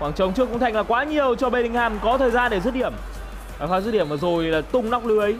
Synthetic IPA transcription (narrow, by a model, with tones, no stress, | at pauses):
kwaː˨˩ŋt͡ɕə˨˦wŋ͡mt͡ɕɨ˧˥əkʊ˧ŋ͡mt̪a˧jŋ̟laː˨˩kwaː˨˦ɲi˨˩əwt͡ɕɔ˧ɓe˧ɗï˧ŋ̟haː˧˩mkɔ˨˦t̪ʰəː˨˩jzaː˧nɗe˧˩zə˦˥t̚ɗi˧˩əm | aː˨˩faː˨˦˥zt̚ɗi˧˩əmvəː˨˩zo˨˩jlaː˨˩t̪ʊ˧ŋ͡mna˦˥wk͡p̚lɨ˨˦əʔə˨˦j